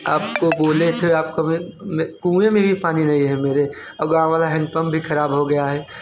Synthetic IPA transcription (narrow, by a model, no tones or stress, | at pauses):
aːp̚koboːlet̪ʰeaːp̚komẽmkũːẽmẽbʱipaːninɐɦĩɦɛ̃meːɾe | ɐbɡãːʋaːlaɦɛ̃npəmbʱixɐɾaːbɦoɡɐjaɦɛː